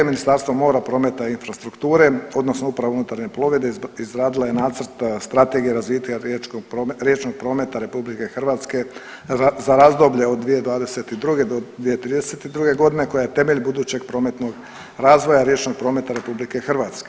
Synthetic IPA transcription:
eminist̪aɾst̪ʋomo̞ːɾapɾo̞ːme̞t̪ainfɾast̪ɾukt̪uːɾe̞o̞d̪nosnoupɾaʋounut̪aɾɲe̞plo̞ʋe̞d̪eizɾaːd̪ilajenaːt̪səɾt̪st̪ɾat̪e̞ɡijeɾazʋiːt̪aɾeɾjet͡ʃnoɡ̥̚pɾo̞ːme̞t̪aɾe̞publike̞xr̩ʋaːt̪ske̞ | azaɾazd̪o̞bʎeod̪̚d̪ːʋije̞d̪ʋaːd̪e̞set̪id̪ɾuɡe̞d̪od̪ʋije̞t̪ɾiːd̪eset̪id̪ɾuɡe̞ɡo̞d̪ine̞ko̞jajet̪eme̞ʎbud̪uːt͡ɕe̞ɡ̚pɾo̞ːme̞t̪noɡ | ɾaːzʋo̞jaɾje̞t͡ʃno̞ɡ̚pɾo̞ːme̞t̪aɾe̞publike̞xr̩ʋaːt̪ske

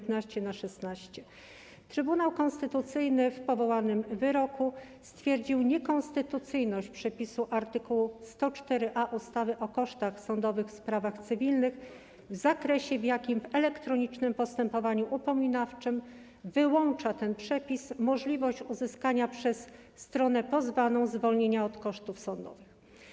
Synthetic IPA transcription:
t̪naɕt͡ɕɛnaʂɛsnaɕt͡ɕɛ | t̪ɾɘbun̪awkɔnst̪ɘt̪ut̪sɘjnɘfpɔvɔwanɘmvɘɾɔku | st̪fʲjɛɾd͡ʑiwɲɛkɔnst̪ɘt̪ut̪sɘjnɔɕt͡ɕpʂɛpʲisuʔaɾt̪ɘkuwust̪ɔt͡ʂt̪ɛɾɘʔaʔust̪avɘʔɔkɔʂt̪axsɔnd̪ɔvɘxfspɾavaxt̪sɘvʲilnɘx | vzakɾɛɕɛvjakʲimvɛlɛkt̪ɾɔɲit͡ʂnɘmpɔst̪ɛmpɔvaɲuʔupɔmʲinaft͡ʂɘm | vɘwɔnt͡ʂat̪ɛnpʂɛpʲismɔʐlʲivɔɕt͡ɕuzɘskaɲapʂɛsː | t̪ɾɔn̪ɛpɔzvanɔ̃w̃zvɔlɲeɲaɔt̪kɔʂt̪ufsɔnd̪ɔ̰vɘx

